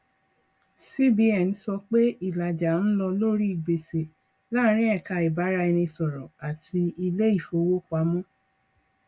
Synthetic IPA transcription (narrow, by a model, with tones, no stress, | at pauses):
si˦bi˧ɛ˨n̩˨˦sɔ˧k͡pe˦i˦˨la˨d͡ʒa˨n̩˦lɔ˧lo˦ɾi˦i˦˨ɡ͡be˨se˨ | la˦ɾ̃ĩ˦ɛ˦˨ka˧i˨ba˨˦ɾa˧i˧nĩ˧sɔ˨ɾɔ̃˨a˨tʰi˧i˧le˦i˦˨fo˧˦wo˦k͡pa˨˦mɔ̃˦